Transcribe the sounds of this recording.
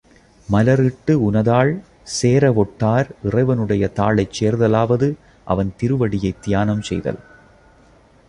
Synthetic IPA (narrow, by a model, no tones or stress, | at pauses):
mɐlɐɾɪʈːɯʊnɐðaːɭ | seːɾɐʋɔʈːaːɾʔɪrɐɪʋɐnɯɽɐjɐt̪aːɭɐɪt͡ʃːeːɾðɐlaːʋɐðɯ | ʔɐ̰ʋɐnt̪ɪɾɯʋɐɽɪjɐɪt̪ːɪjaːnɐmsɛ̰jðɐ̰l